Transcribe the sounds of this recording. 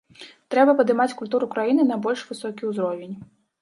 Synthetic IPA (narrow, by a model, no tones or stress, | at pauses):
t̪ɾɛbɐpɐd̪ɨmat͡sʲkulʲt̪uɾukɾajinɨnɐbɔlʲʂvɨsɔkʲiwzɾɔvʲenʲ